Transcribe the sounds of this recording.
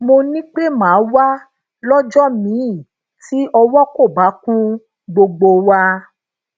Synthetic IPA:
mo˧nĩ˦k͡pe˦mãː˨˦wa˦ | lɔ˦d͡ʒɔ˦mĩ˨˦˨ | ti˦ɔ˧wɔ˦ko˦˨ba˨˦kũ˦ | ɡ͡bo˧ɡ͡bo˧wa˧

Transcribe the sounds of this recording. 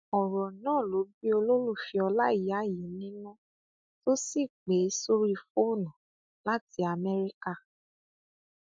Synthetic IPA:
ɔ˨ɾɔ˨nãː˦˨lo˨˦bi˦o˧lo˦ɾu˦˨fi˧ɔ˧la˦i˨˦a˨˦˨ji˨˦nĩ˦nũ˦ | to˦si˦˨k͡pe˨˦so˦ɾi˦˧fo˦˨nã˨ | la˦ti˨˦a˧mɛ˦ɾi˦ka˦˨

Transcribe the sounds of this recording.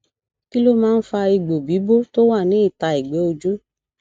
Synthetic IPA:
ki˦lo˦mãː˦n̩˦fa˧i˧˨ɡ͡bo˨bi˨˦bo˦to˦wa˦˨nĩ˨˦i˦˨ta˨˧i˨ɡ͡be˨˦o˧d͡ʒu˦

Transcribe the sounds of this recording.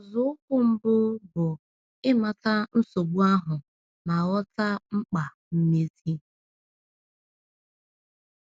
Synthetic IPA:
ɔ˨zʊ˦kʊ˦m̩˦bʊ˦bʊ˨ | ɪ˦ma˨ta˦n̩˦so˨ɡ͡bu˦a˦ɦʊ˨ | na˨ɣɔ˦ta˦ŋ͡m̩˦k͡pa˨ | m̩˦me˦zi˦

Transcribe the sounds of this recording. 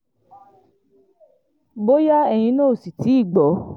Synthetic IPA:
bo˦ja˦ɛ˧˨j̃ĩ˧noː˦˨si˨ti˨˦i˦˨ɡ͡bɔ˨˦

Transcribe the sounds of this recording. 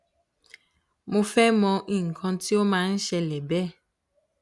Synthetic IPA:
mo˧fɛ˦mɔ̃˧ʔĩ˦˨ŋ̩˨kʰɔ̃˧ti˦o˦mãː˦n̩˦ʃɛ˧lɛ˨bɛ˦˨

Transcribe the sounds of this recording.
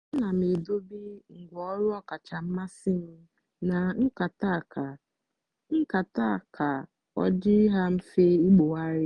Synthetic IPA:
na˨m˨e˨do˦bi˦ŋ̩˨ɡʷɔ˦ɾʊ˦ɔ˦ka˨t͡ʃa˨m̩˦ma˦sɪ˦m̩˦ | na˨ŋ̩˦ka˨ta˦˨ka˨ | ŋ̩˦ka˨ta˦˨kʰa˨ | ɔ̰˦d͡ʒɪ˦ɦa˦m̩˦fe˦i˦k͡po˨a˦ɾɪ˦

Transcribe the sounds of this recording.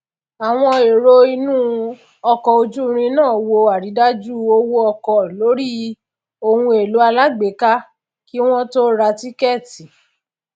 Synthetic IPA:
a˨w̃ɔ̃˧e˨ɾo˦i˧nũː˦ | ɔ˧kɔ˨o˧d͡ʒu˦˧ɾ̃ĩ˧nãː˦˨wo˧a˨ɾi˨˦da˦d͡ʒu˦o˧˦wo˦ɔ˧kɔ˧lo˨˦ɾi˦ | o˧hũ˧e˨lu˨˦a˧la˦ɡ͡be˨˦ka˦ | ki˦w̃ɔ̃˦to˦ɾa˧ti˦kɛ˦˨ti˨

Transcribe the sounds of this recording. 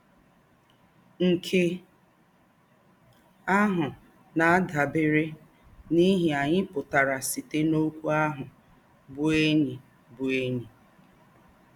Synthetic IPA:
ŋ̩˨kʰe˦ | a˦ɦʊ˨ | na˨a˦da˨bɪ˦ɾɪ˦ | ni˦ɦi˨a˨ɲɪ˦pʊ˨ta˨ɾa˨si˨te˦no˦kʷu˦a˦ɦʊ˨ | bʊ˦e˦ɲi˨ | bʊ˨e˦ɲi˨

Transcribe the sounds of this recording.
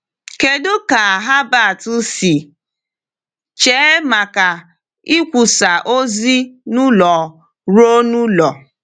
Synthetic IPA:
ke˨dʊ˦ka˨ɦa˦ba˦˨tʊ˦si˨ | t͡ʃe˨˦ma˨ka˨ | i˦kʷu˨sa˨ʔo˦zi˦nʊ˦lɔ˨ | ɾo˦nu˦lɔ˨

